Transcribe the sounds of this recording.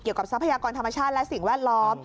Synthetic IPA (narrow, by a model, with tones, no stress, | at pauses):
ki˨˩əwka˨˩p̚sa˦˥pʰa˧jaː˧kɔː˧nt̪ʰa˧mːa˧˩t͡ɕʰaː˥˩t̪̚lɛ˦˥ʔsi˨˩ŋwɛː˥˩t̪̚lɔː˦˥m